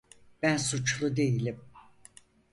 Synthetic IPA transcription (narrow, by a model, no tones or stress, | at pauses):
b̥ænsut͡ʃlˠud̪e̞jilʲim